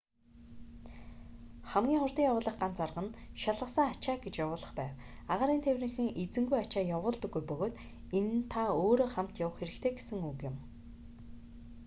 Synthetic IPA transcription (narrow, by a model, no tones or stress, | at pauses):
χæmɡʲiːŋχʊrt̪iːŋjawʊːɮə̆χɢant͡sarʁə̆nʃaɮʁə̆sə̆ŋat͡ɕaːɡet͡ɕjawʊːɮə̆χpæːw | aʁaːɾiːnt̪ʰewʲrĭŋxɘ̆ŋet͡sɘ̆ŋɡujat͡ɕaːjawʊːɮt̪ɞ̆ɡːujpɵɣoːt̪ | ent̪ʰaoːɾoːχam̥t̪jawə̆χxeɾɘ̆kt̪ʰeːɡe̥sɘ̆ŋukjɪ̆m